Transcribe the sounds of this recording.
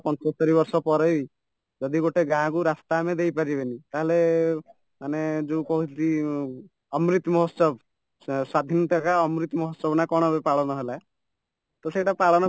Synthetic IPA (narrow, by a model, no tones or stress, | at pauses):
pɔnt͡ʃɔst̪ɔɾiβɔɾsɔpɔɾei | d͡ʒɔd̪iɡoʈeɡãkuɾast̪amed̪ejpaɾibenit̪aɦele | maned͡ʒeukɔɦui | ɔmɾit̪mɔɦɔsɔb | swad̪ʱinɔt̪akaɔmɾit̪mɔɦɔsɔbnakɔɽ̃ɔbepaɭɔnɔɦelae | t̪ɔseʈapaɭɔnɔ